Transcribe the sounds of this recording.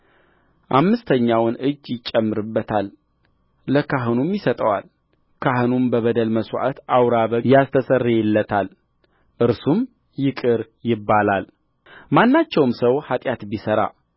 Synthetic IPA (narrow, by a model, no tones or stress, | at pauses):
ʔamːɨst̪ʰəɲːawnɨd͡ʒːjɪt͡ʃʼːəmːɨɾɨbːət̪ʰalː | əkʰaɦɨnumjɪsət̪ʼəwa̰l | kʰaɦɨnumbəβəd̪əlməswʷʔa̰t̪awɾaβəjast̪ʰəsərːeɛlːət̪ʰal | ʔɨɾsum | jɪkʼɨɾ | jɪbːalal | manːat͡ʃːɛwmsəwhat̪ʼjat̪bisəɾa̰